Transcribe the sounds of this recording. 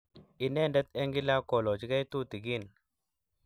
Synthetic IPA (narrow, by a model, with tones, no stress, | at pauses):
i˨nɛ˦˨ndɛ˦t̪ɛ˦ŋɡi˦la˦kɔ˨lɔ˨t͡ʃi˨˦ɡa˦jt̪u˦˨t̪i˨ɡi˦˨n